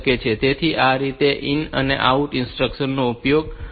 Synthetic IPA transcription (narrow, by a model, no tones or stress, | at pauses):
ket͡ʃʰet̪et̪ʰiʔaɾit̪eʔinə̰nḛʔauʈinsʈɾəkʃənːoupjoɡ